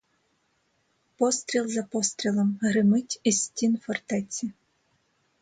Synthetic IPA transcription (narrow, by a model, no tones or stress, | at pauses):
pɔst̪ɾʲilˠzɐpɔst̪ɾʲilˠɔmɦɾɪmɪtʲisʲtʲinfɔrt̪ɛt͡sʲi